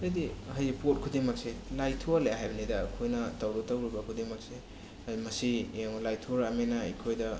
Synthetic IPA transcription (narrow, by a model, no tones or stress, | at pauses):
ɐjdihajpot̚kʰudiŋmɐk̚selajtʰualajɦajbɐnidɐkʰojnɐtawɾutɐwɾibɐkʰudiŋmɐk̚se | mɐsieŋlajtʰuɾamenɐḭkʰojdɐ